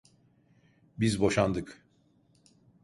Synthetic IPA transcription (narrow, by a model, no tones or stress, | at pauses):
bizbo̞ʃand̪ɯk